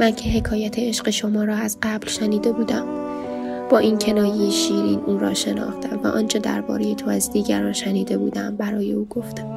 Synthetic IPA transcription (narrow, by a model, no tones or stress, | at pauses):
mæncʰe̞ɦe̞kʰɒːjæt̪ʰeeʃɢe̞ʃo̞mɒːɾɒːæzɢæblʃæniːd̪e̞buːd̪æm | b̥ɒːʔiːncʰe̞nɒːjejeʃiːɾiːnʔuːɾɒ̰ːʃe̞nɒ̰ːxt̪æmvæ̰ʔɒːnt͡ʃʰɒd̪æ̰ɾbɒ̰ːɾe̞jet̪ʰo̞æzd̪iːɟæɾɒːnʃæniːd̪e̞bṵːd̪æmbæɾɒːje̞̰uːɡo̞ft̪æm